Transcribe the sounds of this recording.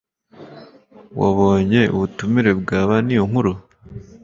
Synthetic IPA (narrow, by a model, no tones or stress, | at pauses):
wa̰βo̞ːɲe̞ṵβutumiɾe̞bɡaːβanijoŋ̥huɾo